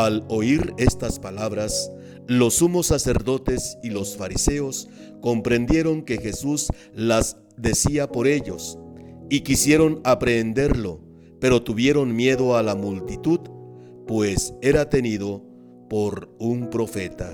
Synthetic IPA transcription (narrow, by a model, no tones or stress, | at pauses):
alo̞iɾe̞st̪aspalaβɾas | lo̞sːumo̞sase̞ɾðo̞t̪e̞silosfaɾise̞o̞s | ko̞mpɾe̞nd̪je̞ɾo̞ŋke̞xe̞sus | laz | d̪e̞siapo̞ɾe̞ʎo̞̰sikisje̞ɾo̞napɾe̞nd̪e̞ɾlo̞ | pe̞ɾo̞t̪uβje̞ɾo̞nmje̞ðo̞alamult̪it̪uð | pwe̞se̞ɾat̪e̞niðo̞ | po̞ɾumpɾo̞fe̞t̪a